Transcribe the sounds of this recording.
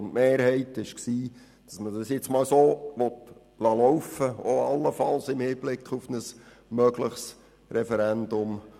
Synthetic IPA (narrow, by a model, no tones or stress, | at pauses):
ʊntmeːɾhɛɪtɪʃksiː | d̥ɑsmədɑsjɪt͡smɑːlsoːʋɔt | lɑlɔwfəoɑlːəfɑlsɪmhiːb̥lɪkχufnəs | mœɡləχs | ɾɛfɛɾɛndʊm